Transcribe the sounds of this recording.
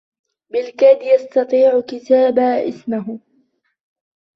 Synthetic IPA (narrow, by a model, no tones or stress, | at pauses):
bɪlkad̪jast̪ɑt̪ˤiːʕʊkɪt̪aːbaːʔɪ̰smaɦ